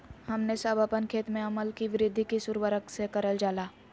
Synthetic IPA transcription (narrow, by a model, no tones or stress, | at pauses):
hɐmnesaːbʱaːpənkʰeːt̪mẽɐməlkiʋɪɾɪd̪ʱikisʊɾʋəɾəksekɐɾəld͡ʒaːlaː